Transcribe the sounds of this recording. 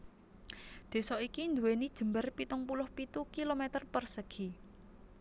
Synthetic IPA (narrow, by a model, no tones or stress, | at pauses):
d̪̥e̤sɔikind̪uwenid̥ʒ̥ə̤mbərpit̪ʊŋpulʊhpit̪ukilomet̪ərpərsəɡ̥i